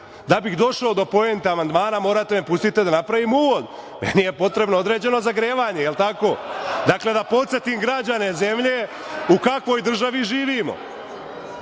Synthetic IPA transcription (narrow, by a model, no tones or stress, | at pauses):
d̪abixd̪o̞ʃaod̪o̞po̞ent̪eamand̪maːnamo̞ːɾat̪e̞mepust̪it̪ed̪anapɾaʋimuːʋo̞d̪mḛnijepo̞t̪ɾe̞bnood̪ɾe̞ːd͡ʑe̞no̞zaɡɾeːʋaːɲejelˠt̪ako̞ːd̪akle̞d̪apo̞t̪se̞t̪imɡɾad͡ʑane̞ze̞mʎe̞ | ukakʋo̞ːjd̪r̩ʒaʋiʒiːʋiːmo̞̰